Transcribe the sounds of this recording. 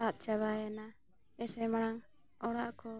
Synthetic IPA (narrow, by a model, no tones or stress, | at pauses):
at̪̚t͡ʃaβajana | ɛsɛmaɽaŋ | ɔɽaʔkɔ